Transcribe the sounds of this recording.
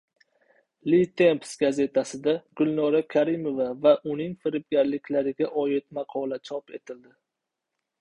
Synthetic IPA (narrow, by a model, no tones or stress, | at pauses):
lit̪ʰe̞mpsɡaze̞t̪ʰasɪd̪aɡ̥ʊlˠnɒɾakʲʰaɾɪmo̞vavaʔʊnɪŋfɪɾɪp̚ɡʲaɾlɪkʲlaɾɪɡʲaʔɒjɪt̪mɑqʰɒlat͡ʃʰɒpe̞t̪ʰɪld̪ɪ